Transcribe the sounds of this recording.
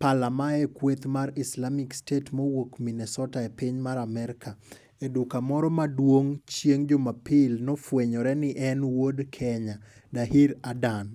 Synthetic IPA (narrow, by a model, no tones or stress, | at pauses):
palamaɛkwet̪maɾɪslamɪkstetmowokminɛsɔtaepɪɲmaɾamɛɾka | edukamɔɾɔmadwoŋt͡ʃjeŋd͡ʒomapɪlnɔfweɲɔɾɛnɪʔɛnwodkʰɛɲa | daɦiɾadan